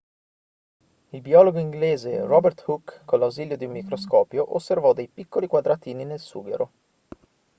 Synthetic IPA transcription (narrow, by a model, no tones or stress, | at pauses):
ilbiɔloɡoiŋɡleːzerɔbert̪hukːonlːawziːljod̪iumːikɾoskɔːpjoʔosːervɔd̪ejpikːolikwad̪ɾat̪iːninelsṵːɡḛɾo